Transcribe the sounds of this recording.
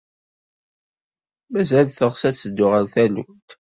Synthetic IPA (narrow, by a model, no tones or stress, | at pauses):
mæzælθəʁsæt͡sːəd̪ːʊʁænθænṵt̪